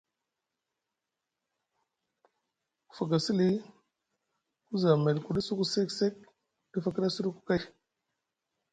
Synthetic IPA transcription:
ku˨fa˨ɡa˨si˦li˦ | ku˦za˨me˨lku˨ɗi˦su˦ku˨se˦kse˦k̚ | di˦fa˨ki˦ɾa˦su˦ɾu˦ku̥˨˦ka˦j

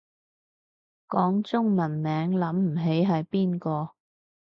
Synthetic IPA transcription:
kɔː˨˥ŋt͡sʊ˥ŋmɐ˨˩nmɛː˨˥ŋlɐ˨˥mm̩˨˩ɦe˨˥jɦɐ˨jpiː˥nkɔː˧

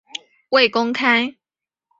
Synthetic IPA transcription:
we˥˨ɪkʊ˦ŋkʰa˦˥ɪ

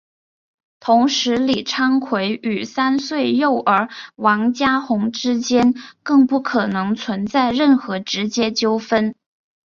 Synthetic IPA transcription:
t̪ʰʊ˧˥ŋʂɻ̩˧˥li˨˩ʈ͡ʂʰɑ˥ŋkʰwe˧˥ɪʔy˨˩sa˥nswe˥˧ɪjo˥˩ʊʔə˞˧˥wɑ˧˥ŋt͡ɕja˥xʊ˧˥ŋʈ͡ʂɻ̩˥t͡ɕjɛ˥nkɤ˥˧ŋpu˥˩kʰɤ˨˩nɤ˧˥ŋt͡sʰwə˧˥nt͡sa˥˧ɪɻə˥˩nxɤ˧˥ʈ͡ʂɻ̩˧˥t͡ɕjɛ˥t͡ɕjo˥ʊfə˥n

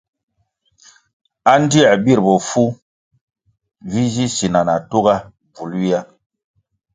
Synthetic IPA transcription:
a˦n˦di˦a˨bi˦ɾbɔ˨fu˦ | vi˦zi˦si˨na˨na˨tu˦ɡa˦ | b͡vu˨lwi˦a˦

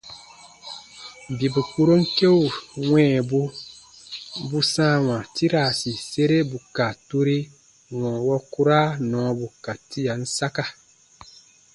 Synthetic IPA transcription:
bi˨bu˨ku˦ɾo˦ŋ˦ke˦u˨wɛ̃ː˦˨bu˦ | bu˦sãː˦wã˨ti˦ɾa˨si˨se˦ɾe˦bu˨ka˨tu˦ɾi˦ | wɔ̃˨wɔ˦ku˦ɾa˦nɔ̃ː˨˦bu˨ka˨ti˦ja˨n̩˦sa˦ka˦

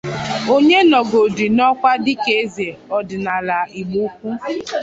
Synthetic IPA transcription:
o˦ɲe˦nɔ˨ɡo˨di˨nɔ˦kʷa˦dɪ˦ke˦zi˨e˨ɔ˨dɪ˨na˨la˨i˨ɡ͡bu˦kʷu˦

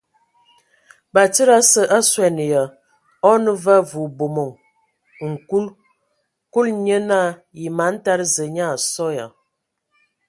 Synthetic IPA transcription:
ba˨tə˦ɾa˦sə˨ʔa˦swɛ˨n˨jə˨ | ɔ˦nə˦və˦vu˨bo˨mo˨ŋ | ŋ̩˨ku˦l | ku˦lɲə˦na˦˨ji˨ma˨˦n̩˦ta˦ɾzə˨ɲa˦˨sɔ˦ja̰˨

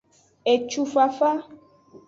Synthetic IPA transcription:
e˨t͡ʃu˨fa˨fa˦

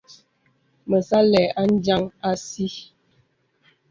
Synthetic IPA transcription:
mə˨sa˦lɛ˨a˦n̩˦d͡ʒa˦ŋa˦si˦

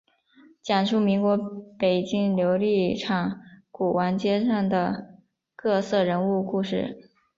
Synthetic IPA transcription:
t͡ɕjɑ˨˩nʂu˥˩mi˧˥ŋkwɔ˧˥pe˨˩ɪt͡ɕi˥ŋljo˧˥ʊli˥˩ʈ͡ʂʰɑ˨˩˦ŋku˨˩wa˧˥nt͡ɕjɛ˥ʂɑ˥˩ŋd̪ə˩ | kɤ˥˧sɤ˥˩ɻə˧˥nu˥˧ku˥˧ʂɻ̩˥˩

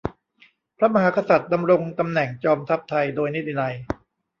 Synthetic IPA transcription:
pʰɾa˥ma˧ɦaː˩˦ka˧sa˨˩t̪̚da˧mɾo˧ŋt̪a˧mnɛ˨˩ŋt͡ɕɔː˧mt̪ʰa˦˥p̚t̪ʰa˧jdoː˧jni˦˥t̪ʰːi˧na˧j

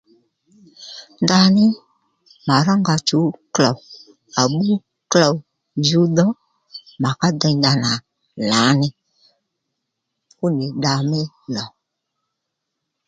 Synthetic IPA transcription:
nda˧nɪ˦ | ma˨ɾa˦ŋɡa˧t͡ʃu˨˦klɔ˨ | a˨ɓu˦ | kla˨w | d͡ʒu˨˦dɔ˦ | ma˨ka˦dɛ˧nda˧na˨ | la˨˦nɪ˦ | ku˦nɪ˨ɗa˧mɪ˦ | lɔ˨

